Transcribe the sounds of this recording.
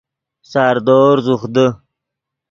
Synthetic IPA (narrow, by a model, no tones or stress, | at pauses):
saːɾd̪oːɾzuxd̪ə